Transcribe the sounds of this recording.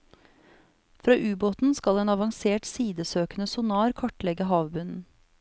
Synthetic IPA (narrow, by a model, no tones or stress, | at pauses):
fɾɑːʔʉːboːt̪n̩skɑleːnɑʋɑŋseːʈsiːd̪əsøːkənəsʊnɑːɾkʰɑʈlɛɡəɦɑːʋbʉnn̩